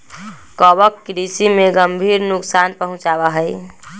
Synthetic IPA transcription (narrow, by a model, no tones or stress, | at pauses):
kɔbəkːɾisimeɡəmbʱiːɾnuksanpəɦʊ̃t͡ʃaβaɦəj